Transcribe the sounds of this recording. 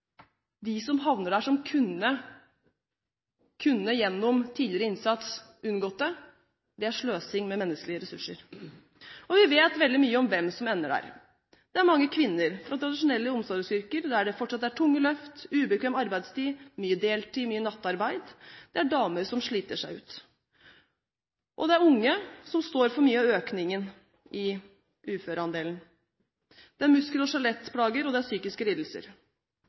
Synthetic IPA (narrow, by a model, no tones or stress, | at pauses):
d̪ɪsɔmɦɑʋnəɖæːʂɔmkʰʉnːə | kʰʉnːəjɛnːɔmt̪ʰiːd̪lɪɾəɪnsɑt̪s | ʉnɡɔːt̪ːə | d̪ɛæʂɭøːsɪŋmɛmɛnːəsklɪəɾɛsʉʂːə̰ɾ | ɔʋɪʋeːt̪ʋɛld̪ɪmyːəɔmʋɛmsɔmɛnːəɖæ̰ːɾ | d̪̥ɛæɾmɑŋːəkʰʋɪnːəɾfɾɑt̪ʰɾɑd̪ɪʂʊnɛlːəʊmsɑːd̪əsʏɾkəɾd̪ææɖɛfɔʈːʂɑt̪ːæʈʰʊŋːəlœft̪ʉːbəkʰʋeːmɑɾbæɪd̪st̪iːmyːəd̪eːlt̪ʰiːmyːənɑt̪ːɑɾbæɪd̪d̪̥ɛæɖɑːməɾsɔmʂɭiːt̪əʂæɪʉ̰ːt̪ | ʔɔ̰d̪ɛæɾʊŋːəsɔmst̪oːɾfɔɾmyːəɑøːknɪŋən | ʔɪ | ʔʉːføːɾəɑnd̪eːln | d̪̥ɛæɾmʉskəlɔʂɑlɛt̪ːpʰlɑːɡəɾɔd̪ɛæɾsyːkɪskəliːd̪l̩sə̰ɾ